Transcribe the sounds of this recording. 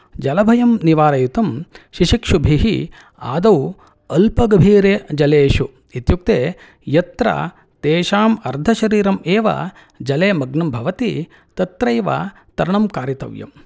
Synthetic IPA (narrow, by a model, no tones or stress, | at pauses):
d͡ʒɐlɐbʱɐjɐmniʋaːɾɐjut̪ɐmʃiʃikʂubʱiɦi | a̰ːd̪ɐw | ɐlpɐɡɐbʱiːɾeːd͡ʒɐleːʃu | it̪juk̚t̪eː | jɐt̪ɾɐ̰ | t̪eːʃaːmɐɾd̪ʱɐʃɐɾiːɾɐmeːʋɐ̰ | d͡ʒɐleːmɐɡnɐmbʱɐʋɐt̪ḭ | t̪ɐt̪ɾeːʋa̰ | t̪ɐɾɐɳɐmkaːɾjɐt̪ɐ̰ʋjɐ̰m